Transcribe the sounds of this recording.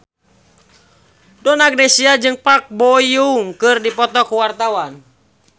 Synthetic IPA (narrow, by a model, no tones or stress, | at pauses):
dɔnaɡ̚nesiad͡ʒɨŋpak̚bɔjuŋkɨrdipɔt̪ɔkuwart̪awan